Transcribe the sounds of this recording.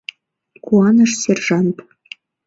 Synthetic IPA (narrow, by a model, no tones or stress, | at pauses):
kuɑnəʃsʲerʒɑnt̪